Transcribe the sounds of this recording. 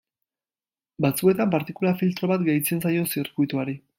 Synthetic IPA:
bat͡sue̞t̪ampaɾt̪ikulafilt̪ɾo̞βat̪ɡejt͡se̞nsajo̞siɾkujt̪uaɾi

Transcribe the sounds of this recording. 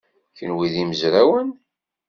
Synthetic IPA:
çənwiðiməzɾawən

